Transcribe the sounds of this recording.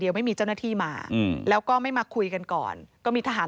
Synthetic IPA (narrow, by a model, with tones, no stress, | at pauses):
di˧əwma˥˩jmiː˧t͡ɕa˥˩wna˥˩t̪ʰiː˥˩maː˧lɛː˦˥wkɔː˥˩ma˥˩jmaː˧kʰu˧jka˧nkɔ̰ː˨˩nkɔː˥˩miː˧t̪ʰa˧ɦaː˩˦